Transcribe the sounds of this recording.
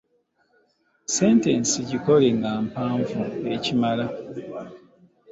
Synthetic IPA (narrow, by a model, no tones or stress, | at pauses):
se̞ːnte̞ːnsiɟiko̞le̞ŋɡaːmpaːɱvuecimala